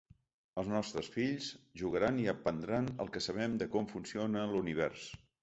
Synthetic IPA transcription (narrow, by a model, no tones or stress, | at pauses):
əlˠznɔst̪ɾəsfiʎzʒuɣəɾaniəpənd̪ɾanə̰lˠkəsəβ̞ɛmd̪əkɔɱfunsionəluniβ̞ɛɾs